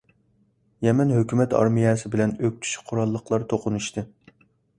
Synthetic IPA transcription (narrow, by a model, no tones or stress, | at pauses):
jɛmɛnɦøkʲymɛt̪ʰɑ̰ɾmijɛsɪbɪlɛnøk̚ʲt͡ʃ̪ʰy̥ʃqʰʊɾɑlˠːəqlˠɑɾt̪ʰoqʊnuʃt̪ɨ